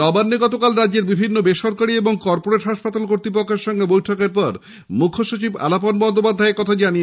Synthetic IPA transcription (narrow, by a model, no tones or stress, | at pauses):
nɔbanːeɡɔt̪okalɾadd͡ʑeɾbibʱinːobeʃɔɾkaɽieboŋkɔɾpoɾeʈɦaʃpat̪alkoɾt̪ipokʰːeɾʃɔŋɡebojʈʰokeɾpɔɾ | mukʰːoʃot͡ɕiba̰laponbɔnd̪ʱopad̪ʱːaekɔt̪ʰad͡ʑanie